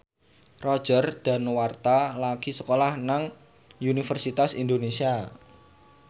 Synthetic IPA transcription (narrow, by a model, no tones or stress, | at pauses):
rɔ̥d͡ʒ̥ərd̪̥a̤nwart̪alaɡ̥isəkolahnaŋ | unifərsit̪asind̪onesia